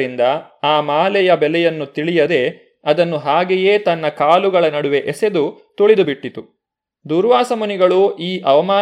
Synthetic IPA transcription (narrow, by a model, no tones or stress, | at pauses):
ɾind̪ɐ | aːmaːlɛjɐbɛlɛjɐnːut̪iɭijɐd̪e̞ | ɐd̪ɐnːuɦaːɡeje̞ːt̪ɐnːɐkaːluɡɐɭɐnɐɽuʋe̞ʔɛse̞d̪u | t̪uɭid̪ubiʈːit̪u | d̪uːɾʋaːsɐmuniɡɐɭuʔiːʔɐʋɐmaː